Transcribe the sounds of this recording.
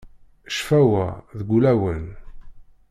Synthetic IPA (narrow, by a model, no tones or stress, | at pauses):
ʃfæwæðɡʷulæwən